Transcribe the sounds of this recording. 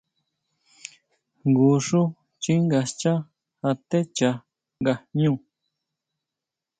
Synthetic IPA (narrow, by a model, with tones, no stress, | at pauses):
ŋɡu˧ʂu˦ | t͡ʃi˦ŋɡa˧st͡ʃa˦ | a˧t̪e˦t͡ʃa˧ | ŋɡa˧ɲũ˦˨